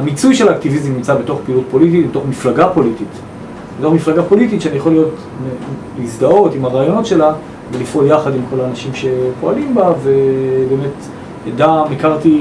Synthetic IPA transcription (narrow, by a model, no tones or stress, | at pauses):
amit͡sujʃe̞laːktivizimnimt͡sabeto̞χpiːlut̚po̞lit̬itbetoχmiflaɡapolitit | bet̪o̞χmiflaɡapo̞lititʃeanijaχo̞lijo̞t | melizdao̞timaʁaːjo̞no̞tʃe̞la | velifoljaχadimko̞laːnaʃimʃe̞po̞alimbave̞be̞ːmet | edamekaʁti